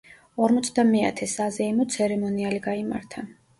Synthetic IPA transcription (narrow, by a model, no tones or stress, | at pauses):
ɔɾmɔt̪sʰd̪amɛa̰t̪ʰɛsazɛimɔt̪sʰɛɾɛmɔnialiɡaima̰ɾt̪ʰa